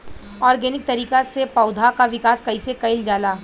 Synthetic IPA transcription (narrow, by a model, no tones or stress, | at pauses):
ɔːɾɡɛːnɪk̚t̪ɐɾiːkasepɐʊd̪ʱakaʋɪkaːskɐisekɐɪld͡ʒaːlaː